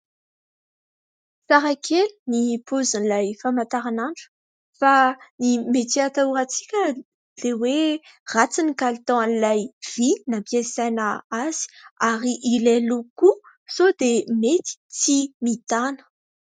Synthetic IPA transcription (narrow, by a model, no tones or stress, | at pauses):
saɾakʰelunipʰozinlajfamat̪aɾanaɳɖ͡ʐu̥ | fanimet̪iat̪auɾat͡si̥kʲə | l̥ewerat͡sinikalit̪ɔ̃anilajv̥inapiesajnəaz̥i̥aɾiʔileluku | sod̪emet̪i̥t͡simit̪anə̥